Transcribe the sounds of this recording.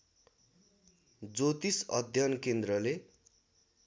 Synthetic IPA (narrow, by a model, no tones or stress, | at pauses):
d͡zot̪isʌ̰d̪ʱjʌnkend̪rʌle